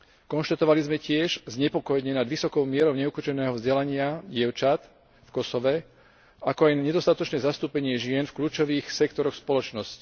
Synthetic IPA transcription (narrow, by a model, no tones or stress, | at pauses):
kɔnʃt̪at̪ɔʋalizmɛcɪɛʒzɲɛpɔkɔjɲɛnad̪ʋisɔkɔʊmɪɛɾɔʊɲɛukut͡ʃɛnɛːɦɔvzɟɛlaɲɪaɟɪɛʊt͡ʃat̪ | fkɔsɔʋɛ | akɔajnɲɛd̪ɔst̪at̪ɔt͡ʃnɛːzast̪uːpɛɲɪɛʒɪɛnfkʎuːt͡ʃɔʋiːxsɛkt̪ɔɾɔxspɔlɔt͡ʃnɔsci̥